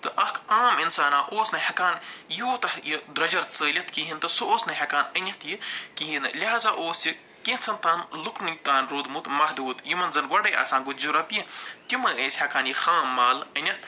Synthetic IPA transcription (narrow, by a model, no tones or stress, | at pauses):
t̪ɨʔɐkʰaːminsaːnaːʔoːsnɐhʲɐkaːnjuːt̪ɐhjid̪ɾɐd͡ʒɐɾt͡səːlʲɐt̪kiɦint̪ɨsɨoːsnɐɦʲɐkaːnənʲɐht̪jikiɦinlʲiɦaːzaːʔoːsi | kẽːnt͡sʰɐnt̪aːnluknit̪aːnɾuːd̪mut̪mɐɦd̪uːt̪jimɐnzɐnɡwɐɖɐjɐ̰ːsãːnɡut̪d͡ʒuɾɐpjit̪ʲimɐeːsʲhʲɐkaːnjixaːmːaːlɐnʲɐt̪